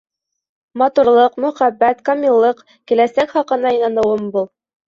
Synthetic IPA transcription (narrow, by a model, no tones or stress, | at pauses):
mɑt̪uɾlˠɤqmɵ̆χæbːæt̪kɑmʲilˠːɤq | kɘ̆læsækχɑqɤ̆nɑɤnɑnɤ̆wɤmbulˠ